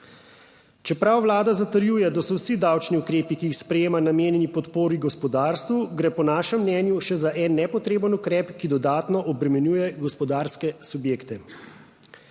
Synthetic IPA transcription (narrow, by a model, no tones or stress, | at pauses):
t͡ʃɛpɾawʋlaːd̪azat̪əɾjujɛd̪asɔwsid̪awt͡ʃniukɾeːpikiːxspɾɛjeːmanameːnjɛnipɔt̪poːɾiɡɔspɔd̪aːɾst̪ʋuɡɾɛpɔnaːʃɛmːnɛnjuʃɛzaʔɛnːɛpɔt̪ɾeːbənukɾɛːpkid̪ɔd̪aːt̪nɔʔɔbɾɛmɛnjuːjɛɡɔspɔd̪aːɾskɛsubjeːkt̪ɛ